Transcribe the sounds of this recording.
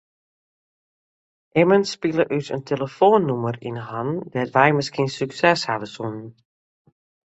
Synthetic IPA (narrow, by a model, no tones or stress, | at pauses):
ʔɪmənspilˠəʔytə̰ntʰeləfoːnːumərḭnhandɛtʋɛjməskiənsyksɛshaʋəsun